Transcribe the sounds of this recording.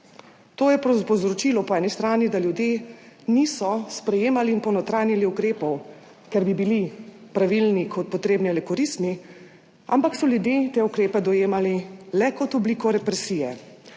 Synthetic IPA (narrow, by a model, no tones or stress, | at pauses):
t̪oːjɛpɾɔpɔzɾɔt͡ʃilɔpɔɛːnist̪ɾaːnid̪aljud̪jeː | nisɔspɾɛjeːmaliːnpɔwnɔt̪ɾaːjniliukɾeːpɔw | kɛɾbibilipɾaʋilnikʰɔt̪̚pɔt̪ɾeːbniɛlɛkɔɾismi | a̰mpaksɔljud̪jeːt̪eːukɾeːpɛd̪ɔjeːmalilɛkɔt̪ɔbliːkɔɾɛpɾɛsiːjɛ